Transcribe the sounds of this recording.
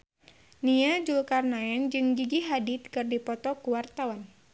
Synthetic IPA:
niad͡ʒulkarnaɛnd͡ʒɨŋɡiɡiɦadit̪̚kɨrdipɔt̪ɔkuwart̪awan

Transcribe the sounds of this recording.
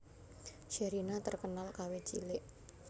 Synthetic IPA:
ʃeɾinat̪ərkənalkawe̥t͡ʃḭlɪʔ

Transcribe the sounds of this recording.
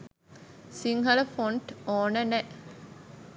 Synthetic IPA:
siŋɦɐləfoɳʈoːnənɛ

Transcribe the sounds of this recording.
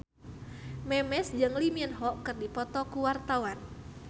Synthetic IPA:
mɛmɛsd͡ʒəŋlimiənɦɔʔkərdipɔt̪ɔkuwart̪awan

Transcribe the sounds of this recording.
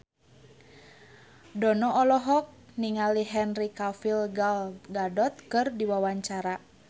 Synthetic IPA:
dɔnɔʔɔlɔɦɔk̚niŋaliɦɛnrikafilɡalɡadɔt̪̚kɨrdiwawaɲt͡ʃaɾa

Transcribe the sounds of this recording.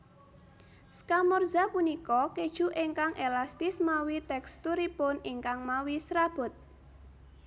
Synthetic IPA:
skamɔrdz̥a̤punikɔked̥ʒ̥uʔeŋkaŋʔelast̪ɪsmawit̪ɛkst̪uɾipʊniŋkaŋmawisɾab̥ʊ̤t̪̚

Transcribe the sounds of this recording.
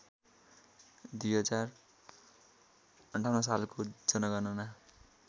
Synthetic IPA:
d̪ujʌt͡sar | ʌɳʈʰawnʌs̬alkod͡zʌnʌɡʌnʌna

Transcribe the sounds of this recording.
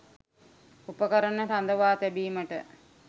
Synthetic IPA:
upəkəɾənəʈand̪əʋaːt̪æbiːməʈə̰

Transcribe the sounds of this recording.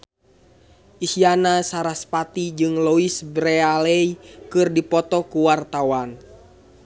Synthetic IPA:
ʔisianasaɾaspat̪id͡ʒɨŋlɔisbɾɛalɛikɨrdipɔt̪ɔkuwart̪awan

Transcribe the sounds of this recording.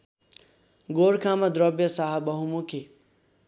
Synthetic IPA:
ɡoɽkʰamʌd̪ɾʌbjʌsaɦabʌɦumukʰe

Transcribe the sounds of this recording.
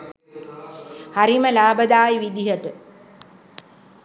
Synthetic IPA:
haɾiməlaːbəd̪aːjʋid̪iɦəʈə

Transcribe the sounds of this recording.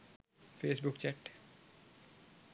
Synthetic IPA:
feːsbʊkt͡ɕæʈ

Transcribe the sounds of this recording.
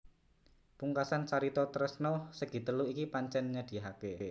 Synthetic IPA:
puŋkasant͡ʃaɾit̪ɔt̪əɾəsnɔsəɡ̥i̤t̪əluikipaɲt͡ʃɛnɲad̪̥i̤ɦake

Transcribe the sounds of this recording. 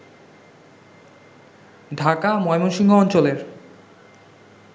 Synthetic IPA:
dʱakamɔemonʃiŋɡoɔnt͡ɕoleɾ

